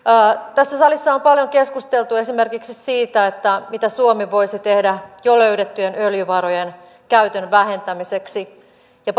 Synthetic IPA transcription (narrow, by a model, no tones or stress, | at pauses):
t̪æsːæsɑlisːɑompɑljoŋke̞skust̪elt̪ue̞sime̞rkiksisiːt̪æet̪ːæmit̪æsuomiʋo̞isit̪e̞hdæjoløyɾet̪ːyjenøljyʋɑɾojen | kæyt̪ønʋæɦe̞nt̪æmise̞ksi | jɑ